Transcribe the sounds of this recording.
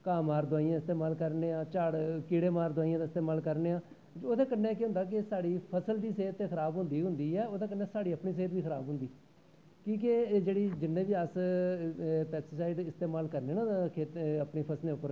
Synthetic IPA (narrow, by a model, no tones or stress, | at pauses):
kaːmaːɾd̪ʊaːiːãːɪst̪eːmaːlkəɾneːãːt͡ʃaːɽkiɽeːmaːɾd̪ʊwaːijãːd̪aːɪst̪eːmaːlkəɾneːãː | oːd̪aːkənːẽːkeɦʊ̃nd̪aːk̬ɪsaːɽiːpʰəsəld̪iːseːt̪ːeːkʰəɾaːbɦʊnd̪iːɦʊ̃nd̪iːɛːoːd̪ãːk̬ənːẽːsaːɽiːəpɳiːs̬eːt̪ʋiːkʰəɾa̰ːbɦʊnd̪iː | kĩːk̬ed͡ʒeːɽiːd͡ʒɪnːẽːʋiːəs | pɛːkssaːiɖɪst̪eːmaːlkəɾneːnãːkʰeːt̪əpneːpʰəsleːʊpːəɾ